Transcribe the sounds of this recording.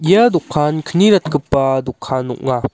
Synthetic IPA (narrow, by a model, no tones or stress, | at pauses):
jad̪ʊkʰːankʰəniɾɐt̪̚kəpːad̪ʊkʰːanṵʔ̚ŋa